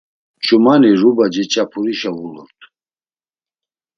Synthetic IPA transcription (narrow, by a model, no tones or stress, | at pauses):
t͡ʃʰʼumanirubad͡ʒɛt͡ʃʼapʰuɾiʃauləlt̪ʰ